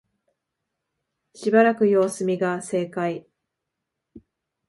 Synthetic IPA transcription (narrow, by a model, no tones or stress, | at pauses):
ɕibaɾakɯ̟jo̞ːsɨmʲiɡase̞ːkai